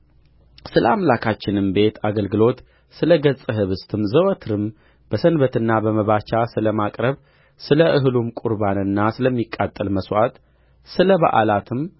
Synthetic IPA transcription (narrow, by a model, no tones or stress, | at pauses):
sɨləamlakʰat͡ʃːɪnɨmbe̞t̪ʰaɡəlɡɨlo̞t̪ | sɨləɡəsʼɨɦɨβɨst̪ʰɨmzəwət̪ʰɨɾɨm | b̥əsənbət̪ɨnːabəməβat͡ʃasɨləmakʼɾəβ | sɨləʔɨɦɨlumkʼuɾbanɨnːasɨləmːikʼːat̪ʼːəlməswʔa̰t̪ | sɨləβa̰ʔa̰lat̪ʰɨm